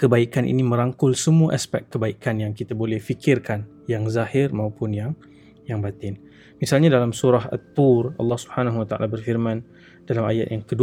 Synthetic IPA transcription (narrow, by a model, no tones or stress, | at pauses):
kəbaikanʔḭnimə̃ɾaŋkʊlsəmuaʔaspɛ̰kt̚kːəbaikanjaŋkit̪abolɛhfikʰɪrkan | jaŋzahɪrmãupʊnjaŋ | jaŋbat̪ɪn | misalɲadalamsuɾaɦa̰t̪̚ːurɑ̰lːɑhsubhanaɦuwat̪aʔa̰labərfirmãn | dalama̰ja̰t̪̚jaŋkədu